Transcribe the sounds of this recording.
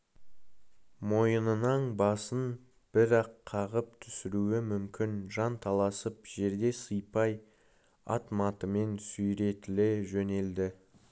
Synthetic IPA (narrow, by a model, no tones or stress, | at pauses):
mo̞jənənɑɴbɑsən | b̥ɪɾɑqʰːɑʁəp̚t̪ʰʏ̥sɪɾuɪmʏmkʲɪnʒɑnt̪ʰɑlˠɑsəpʒ̥e̞ɾd̪e̞səjpɑj | ɑ̰t̪mɑt̪əme̞nsujɾe̞t̪ɪlɪʒɵne̞ld̪ɪ